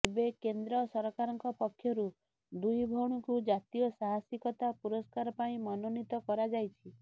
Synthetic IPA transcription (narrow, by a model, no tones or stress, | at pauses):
ebekend̪ɾɔsɔɾɔkaɾɔŋkɔpɔkʰːjɔɾu | d̪ujbʱɔɽ̃ukud͡ʒat̪ijɔsaɦasikɔt̪apuɾɔskaɾɔpaĩmɔnɔnit̪ɔkɔɾad͡ʒajt͡ʃʰi